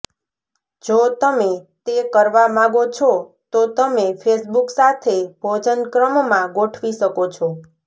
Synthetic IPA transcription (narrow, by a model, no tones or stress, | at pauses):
d͡ʒot̪əmet̪ekəɾʋamãɡot͡ʃʰɔ | t̪ot̪əmefʰesbuksat̪ʰebʱod͡ʒənkɾəmmːãɡoʈʰʋiʃəkot͡ʃʰɔ